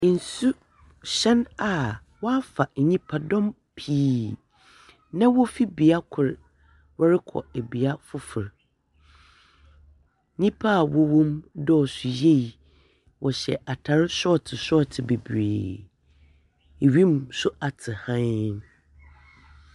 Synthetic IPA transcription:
n̩˨su˦ | ɕɛ̃˦na˨ | wɔ˦a˦fa˨ɲĩ˦pʰa˨dɔ̃˦m | pʰiː˦ | nã˦wɔ˦fi˦bi˨a˦kʰʊ˨ɾ | wɔ˦ɾɪ˦kʰɔ̰˨e˨bi˨a˦fʊ˦fʊ˨ɾ | ɲĩ˦pʰa˦˨wɔ˦wɔ̃˦mdɔ˦ɔ˨sʊ˨je˦i˨ | wʔɔ˨ɕɛ̰˨ʔa˨tʰa˨ɾɪ˦sɔ˦˨tʰɪ˨sɔ˦˨tʰɪ˨be˨bɾeː˨ | e˨ɥĩ˦m˨sʊ˦a˨tʰɪ˨hã˦

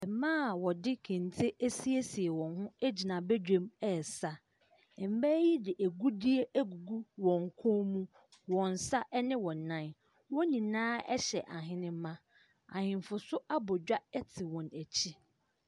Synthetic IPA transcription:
ɛ˨mãː˦˨wɔ˨dɪ˦kʰɛ̃˨n˨tʰe˦ʔæ˦si˦e˦si˨e˨wɔ̃˨nɦʊ̃˦æ˦d͡ʑi˨nã˨bɛ˦d͡ʑᶣẽ˦mɛ˨sa˦ | ɛ˨m̩˦bæ˦ji˦dɪ˨ʔæ˨ɡu˦di˦e˦ʔæ˦ɡu˨ɡu˦wɔ̃˨ŋ˨kʰʊ̃˦mũ˦ | wɔ̃˨n˨sa˦ʔɛ˦nɪ̃˦wɔ̃˨nã˦˨n | wɔ̃˦nĩ˨nãː˦ɛ̰˦ɕɛ˨ʔa˨ɦɪ̃˦nɪ̃˦m˦mã˦ | ã̰˨hɪ̃˨m˨fʊ˨sʊ˦ʔa˦bɔ˨d͡ʑᶣa˦ɛ˦tʰɪ˨wɔ̃˨næ˨t͡ɕʰi˦

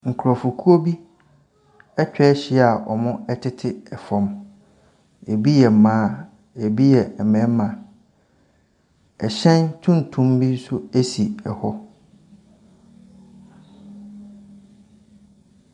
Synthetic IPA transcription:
ŋ̩˨kʰʊ˨ɾɔ˨fu˨kʰu˦o˦bi˦ | ɛ˦t͡ɕᶣɛ˦ɕɪ˦˨a˨ʔɔ̰˨mʊ̃˦ɛ˦tʰɪ˦tʰɪ˦ɛ˨fɔ̃˨m | e˨bi˦jɛ˨m˨mãː˦˨ | e˨bi˦jɛ˨ɛ˨mɛ̃˨˦mã˨ | ɛ˨ɕɛ̃˦ntʰũ˦n˨tʰũ˦mbi˦n˦sʊ˦æ˦si˨ɛ˨hɔ˦

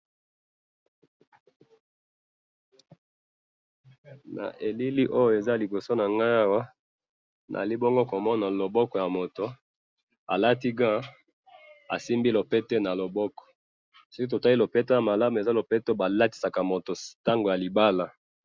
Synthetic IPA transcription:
na̰˨ʔe˨li˦li˦ʔo˦jo˨e˨za˦li˨bo˨so˦na˨ŋɡa˦a˦wa˦ | nʔa̰˨li˦bo˦ŋɡo˦ko˨mɔ˦na˨lo˨bɔ˦kɔ˨ja˨mo˨to˨ | a̰˨la˦ti˦ɡã˦ | a̰˨si˦mbi˦lo˨pe˦te˦na˨lo˨bɔ˦kɔ̥˨ | so˦ki˦t̬o˨ta˦li˦lo˨pe˦to˦ja˨ma˨la˦mu˨e˨za˦lo˨pe˦to˦ba˨la˦ti̥˨sa˨ka˨mo˨to˨ta˦ŋɡo˨ja˨li˨ba˦la˨

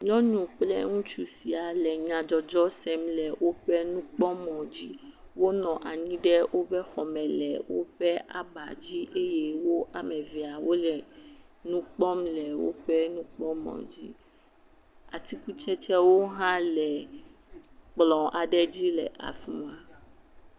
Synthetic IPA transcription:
ɲɔ̃˦ɲũ˨k͡plɛ̰˦ŋũ˦t͡ʃu˦si˨a˨lɛ˨ɲã˨d͡ʒɔ˨d͡ʒɔ˦sɛ˦mlɛ˨wo˦ɸɛ˦nũ˦k͡pɔ˦mɔ̃˨d͡ʑi˦ | wo˦nɔ̃˨ʔa˨ɲĩ˦ɖɛ˦wo˦bɛ˦xɔ˨mɛ̃˨lɛ̰˨wo̰˦ɸɛ˦ʔa̰˨ba̰˨d͡ʑi˦ʔe˦je˦wo˦ʔa˨mɛ̃˨vi˨a˨wo˦lɛ˨nũ˦k͡pɔ˦mlɛ˨wo̰˦ɸɛ˦nũ˦k͡pɔ˦mɔ̰̃˨d͡ʑḭ˦ | a˨t̪i˦ku˦t͡ʃɛ˦t͡ʃɛ˦wo˦ɦã˦lɛ˨ | k͡plɔ̃˨a˨ɖɛ˦d͡ʑi˦lɛ̰˨ʔa̰˨fṵ̃˦a˨

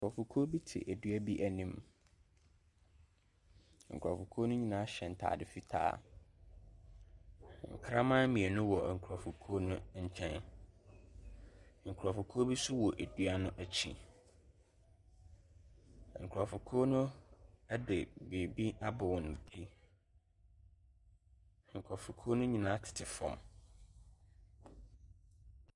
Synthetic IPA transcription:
ŋ̩˨kʰɾɔ˨fʊ˨kʰo˦bi˦tʰɪ̰˨ʔæ˨dɥæ˦bi˦ʔæ˨nĩ˦m | ŋ̩˨kʰɾɔ˨fʊ˨kʰoː˦nʊ̃˦ɲĩ˨nãː˦ɕɛ˨n̩˨tʰa̰ː˨dɪ˨fi˦tʰa̰ː˦˨ | ŋ̩̰˨kʰɾa˦mã˦mĩ˨e˨nʊ̃˦wɔ˨ŋ̩˨kʰu˨ɾɔ˨fʊ˨kʰoː˦nʊ̃˦ɲ̩˦˨t͡ɕʰɛ̃˦n˨ | ŋ̩˨kʰɔ˨fʊ˨kʰoː˦bi˦sʊ˦wɔ˨ʔæ˨du˦a˦nʊ̃˦ʔæ˦t͡ɕʰḭ̃˨ | ŋ̩˨kʰɾɔ˨fʊ˨kʰoː˦nʊ̃˦æ˦dɪ˨be˨bi˦a˦bʊ˨wʊ˨ñ˨tʰi˦˨ | ŋ̩˨kʰɾɔ˨fʊ˨kʰo˦nʊ̃˦ɲĩ˨nãː˦tʰɪ̥˨tʰɪ˨fɔ̰̃˨m

